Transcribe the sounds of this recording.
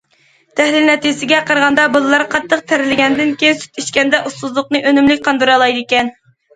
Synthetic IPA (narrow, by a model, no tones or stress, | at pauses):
t̪ʰæhlɪlnɛt̪ijɪsɪɡʲɛqəɾʁɑnd̪ɑbɨlˠlˠɑɾqʰɑt̪ʰːəq̚t̪ʰæɾɪlɪɡʲɛnd̪ɪnkʲejnsy̥t̪ʰiʃkʲɛnd̪ɛʔust̪uzlˠʊqnɨʔønymlɪkʲqʰɑnd̪ɨɾɑlˠɑjd̪ekʲɛn